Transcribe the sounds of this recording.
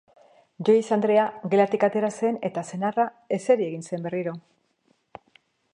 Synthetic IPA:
ʝo̞isand̪ɾe̞aɣe̞lat̪ikat̪e̞ɾase̞ne̞t̪ase̞nara | e̞se̞ɾieɣinse̞mbe̞riɾo̞

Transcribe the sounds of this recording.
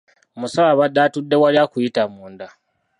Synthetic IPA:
musaaβadːatudːe̞waliakujitamuːnda

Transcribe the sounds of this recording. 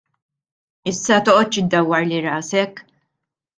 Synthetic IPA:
ɪsːɐt̪ɔʔɔt̪ːt͡ʃɪd̪ːɐwːɐɾliɾɐːsɛkː

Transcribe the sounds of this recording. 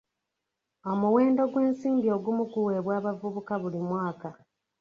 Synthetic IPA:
o̞muwe̞ːndo̞ɡwe̞ːnsiːmbio̞ɡumukuwe̞βwaːβavuβukaβulimwaːka

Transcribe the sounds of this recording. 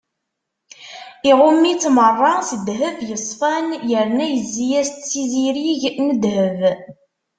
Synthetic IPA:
iʁʊmːit͡sːmərˤːɑsəd̪ɦəvjəsˤfænjəɾnæjəzːijæst͡sːiziɾiʝnəd̪həv

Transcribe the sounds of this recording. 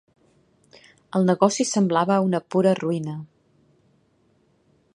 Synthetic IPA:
əlˠnəɣɔsisəmblaβəunəpuɾəruinə

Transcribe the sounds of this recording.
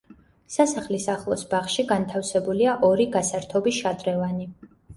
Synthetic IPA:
sasaχlisaχlˠɔsbaχʃiɡant̪ʰafsɛbuliaʔɔɾiɡasaɾt̪ʰɔbiʃad̪ɾɛvani

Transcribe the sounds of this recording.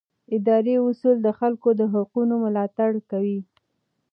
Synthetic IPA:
ɪd̪ɑɾeʊsuld̪əxalkod̪əɦʊqunomʊlɑt̪aɽkawi

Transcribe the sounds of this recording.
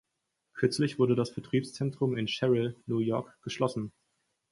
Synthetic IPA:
kʰʏɐt͡slɪçv̥ʊɐdədasfɛɐtʁ̥iːpst͡sɛntʁ̥ʊmɪnʃɛʁəlnuːjɔɐkɡ̥əʃlɔsn̩

